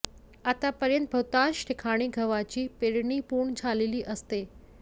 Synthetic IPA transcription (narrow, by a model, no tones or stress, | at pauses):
at̪apɐɾjənt̪̚bʱɐwt̪ãnʃʈʰɪkʰaɽ̃iɡʱɐʋat͡ɕiːpeɾɳipuːɳ̃d͡ʑʰʱaːleliʔəst̪eː